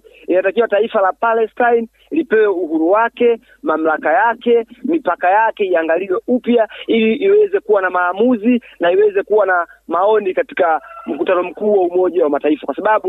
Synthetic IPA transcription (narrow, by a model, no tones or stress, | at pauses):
inatakiwataifalapalɛstajn | lipɛwɛuhuɾuwakɛ | mam̩lakajakɛmipakajakɛiaŋɡaliwɛupjailiʔːwɛzɛkuwanamaːmuzinaiwɛzɛkuwanamaɔnikati̥kam̩kutanɔm̩kuːwaumɔʄawamataifakwasaɓaɓu